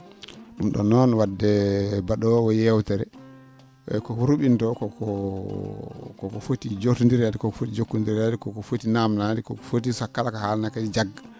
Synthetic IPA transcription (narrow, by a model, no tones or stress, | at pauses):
ɗumɗɔ̰nɔnwadːɛbaɗɔwɔjɛwtɛɾɛ̰ | kɔkɔɾuɓintɔkɔkɔ | kɔkɔfotid͡ʒotundiɾadikɔkɔfotid͡ʒokːundiɾadikɔkɔfotinamnadikɔkɔfotisakːalakahalnakad͡ʒid͡ʒaɡːa